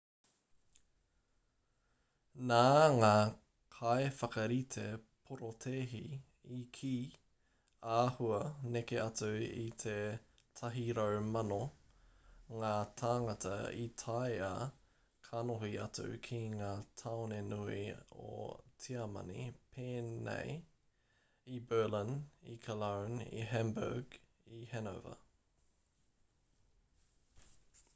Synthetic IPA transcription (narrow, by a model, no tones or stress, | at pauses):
naːŋaː | kʰaefɐkɐɾitʰepʰoɾotʰeːɦi | ikʰiː | aːhuɐnekeɐtuḭt̪ʰe | tʰɐɦiɾɐwmɐno | ŋaːtʰaːŋɐtʰɐ̰ḭtʰaja | kʰanoɦiɐtṵkʰiŋaːt̪ʰawnenuio̰tʰiɐmɐ̰nḭpʰeːnḛj | ibɜːlinikʰɐlownḭɦɛmbə̰ɡ | ihɛno̰və̰